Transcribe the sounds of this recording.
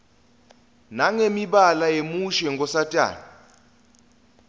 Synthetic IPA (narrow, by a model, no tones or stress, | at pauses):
naŋemiɓalajemuʃɛŋɡʱɔsatʼa̰ːni